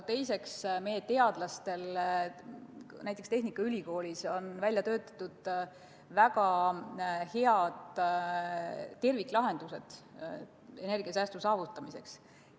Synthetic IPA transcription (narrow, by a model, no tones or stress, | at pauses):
t̪e̞jse̞ksme̞jet̪e̞ɑd̪lɑst̪e̞l | næjt̪ːˑekst̪e̞ɦnikːˑɑylʲiko̞ːlʲiso̞nvælʲjɑt̪ø̞ːt̪ːˑɑ̥t̪ːˑud̪̥ | vækɑ | he̞ɑd̪̥ | t̪ːe̞rvik̪ːˑlɑɦe̞nd̪̥use̞d̪̥ | e̞ne̞rɡ̥iɑsæːst̪usɑːvut̪ːˑɑmise̞ks